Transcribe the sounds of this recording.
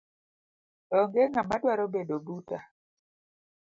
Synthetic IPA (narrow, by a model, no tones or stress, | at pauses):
ɔŋɡeŋamadwaɾobedobuta